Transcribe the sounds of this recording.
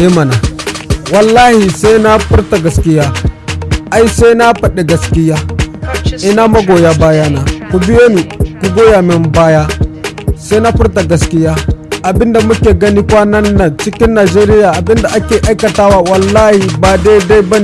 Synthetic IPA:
e˦ma˨na˨wɐ˨lːaː˦hi˨sa˦na˦ɸʊ˦ɾta˨ɡɐ˨skʲɪ˦jaː˦ | a˦jse˦na˦ɸɐ˨ɗe˨ɡɐ˨skʲɪ˦ja˦ | ʔɪ˦na˦ma˦ɡoː˨ja˦baː˦ja˦na˨ku˨bɪ˦jo˦ni˨ku˦ɡoː˦ja˨mɪ˨mbaː˦ja˦ | sa˦na˦ɸʊ˦ɾt̬a˨ɡɐ˦skɪ˦ja˦ʔa˨bɪ˦nda˨mu˦kʲeː˨ɡɐ˦ni˦kʷa˦nɐ˦nːɐ˨nt͡ʃɪ˦kʲɪ˦nːaː˨d͡ʒeː˦ɾɪ˦ja˨ʔa˨bɪ˦nda˨ʔa˦kʲeː˨ʔa˦jkɐ˨ta˦wa˦wɐ˨lːa˦hi˨ba˨de˦da˦bɐ˦n˨

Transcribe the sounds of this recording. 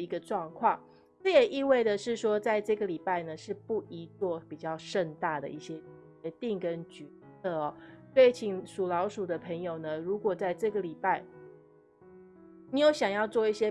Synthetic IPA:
i˧˥ɡə˧ʈ͡ʂwɑ˥˧ŋkʰwɑ˥˩ŋ | ʈ͡ʂɤ˥˩jɛ˨˩ʔi˥˧we˥˩ɪd̪ə˨ʂɻ̩˥˩ʂwɔ˥t͡sa˥˧ɪʈ͡ʂɤ˥˩ɡə˩li˨˩pa˥˩ɪnə˩ʂɻ̩˥˧pu˥˩i˧˥t͡swɔ˥˧pi˨˩t͡ɕjɑ˥˧ʊʂə˥˧nt̪a˥˩d̪ə̰˩˦i˥˩ɕjɛ˦t͡ɕt͡ɕɥɛ˧˦t̪i˥˩ŋkə˦˥nt͡ɕy˨˩t͡sʰɤ˥˩ɔ˨˩swe˥˩i˧˦t͡ɕʰi˨˩ŋʂu˨˩lɑ˧˥ʊʂu˨˩d̪ə˦pʰə˧˥ŋjo˨˩ʊnə˦ɻu˧˥kwɔ˨˩t͡sa˥˧ɪʈ͡ʂɤ˥˩ɡə˨˩li˨˩pa˥˩ɪ | ni˨˥jo˧˥ʊɕjɑ˨˩ŋjɑ˥˧ʊt͡swɔ˥˧i˥˩ɕjɛ˦˥

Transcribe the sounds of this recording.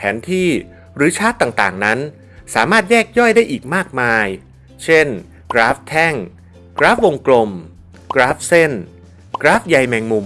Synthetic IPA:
pʰɛ̰ː˩˦nt̪ʰiː˥˩ | ɾɯː˩˦t͡ɕʰaː˦˥t̪ːaː˨˩ŋt̪aː˨˩ŋna˦˥n | saː˩˦maː˥˩t̪̚jɛː˥˩k̚jɔ˥˩jdaː˥˩jʔiː˨˩k̚maː˥˩k̚maː˧j | t͡ɕʰe˥˩n | kɾaː˦˥p̚t̪ʰɛ˥˩ŋ | kɾaː˦˥p̚wo˧ŋklo˧m | kɾaː˦˥p̚se˥˩n | kɾaː˦˥p̚ja˧jmɛː˧ŋmuː˧

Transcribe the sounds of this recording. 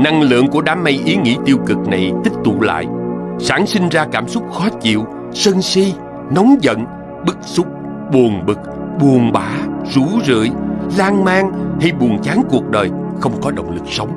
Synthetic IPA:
na˧ŋlɨ̰˧˨əŋku˧˩əɗaː˨˦mːa˧jʔi˨˦ŋḭ˧˥t̪i˧əwkɨ˨˩k̚na˨˩jt̪ï˦˥k̚t̪ṵ˧˨la̰ː˧˨jsaː˧˩nsi˧ŋ̟zaː˧kaː˧˩msʊ˦˥k͡p̚xɔ˨˦t͡ɕḭ˧˨əw | sə˧nsi˧ | nɔ˨˦wŋ͡mzə̰˧˨n | ɓɨ˦˥k̚sʊ˦˥k͡p̚ | ɓu˨˩ənɓɨ˨˩k̚ɓu˨˩ənɓaː˧˦zu˧˩zɨ̰˧˨jlaː˧ŋmaː˧ŋhi˧jɓu˨˩ənt͡ɕaː˨˦ŋku˨˩ək̚ɗəː˨˩j | xə˧wŋ͡mkɔ˨˦ɗə̰˧˨wŋ͡mlɨ˨˩k̚sə˨˦wŋ͡m

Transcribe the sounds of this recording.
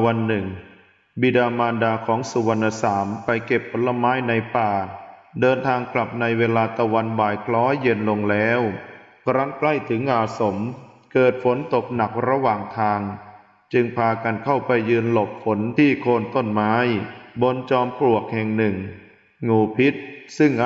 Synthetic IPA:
wa˧nːɯ˨˩ŋ | bi˧daː˧maː˧ndaː˧kʰɔː˩˦ŋsu˧˩wa˧nːʔa˧saː˩˦mpa˧jke˨˩pʰːo˨˩˦nla˧maː˦˥jna˧jpaː˨˩dɤː˧nt̪ʰaː˧ŋkla˨˩p̚na˧jweː˧laː˧t̪a˧wa˧nbaː˨˩jkʰlɔː˦˥jːe˧nlo˧ŋlɛː˦˥w | kʰɾa˦˥ŋkla˥˩jt̪ʰɯ˩˦ŋʔaː˨˩so˩˦m | kɤː˨˩t̪̚fo˩˦nt̪o˨˩k̚na˨˩k̚ɾa˧waː˨˩ŋt̪ʰaː˧ŋ | t͡ɕɯ˧ŋpʰaː˧ka˧nkʰa˥˩wpa˧jːɯː˧nlo˨˩p̚fo˩˦nt̪ʰiː˥˩kʰoː˧nt̪o˥˩nmaː˦˥jbo˧nt͡ɕɔː˧mpɾu˨˩ək̚hɛ˨˩ŋnɯ˨˩ŋ | ŋuː˧pʰi˦˥t̪̚sɯ˥˩ŋʔ

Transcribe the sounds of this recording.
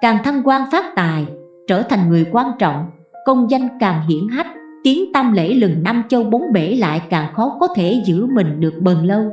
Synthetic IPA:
kaː˨˩ŋt̪ʰa˧mkwaː˧nfaː˦˥t̚t̪aː˨˩j | t͡ɕəː˧˩t̪ʰa˨˩jŋ̟ŋɨ˨˩əjkwaː˧nt͡ɕɔ̰˧˨wŋ͡m | kə˧wŋ͡mzə˧jŋkaː˨˩mɦḭ˧˨ənɦa˦˥k̚ | t̪i˨˦əŋt̪aː˧mlḛ˧˥lɨ˨˩ŋna˧mt͡ɕə˧wɓo˨˦nɓe˧˩la̰ː˧˨jkaː˨˩ŋxɔ˨˦kɔ˨˦t̪ʰe˧˩zɨ̰˧˥mï˨˩ŋ̟ɗɨ˨˩ək̚ɓəː˨˩nlə˧w

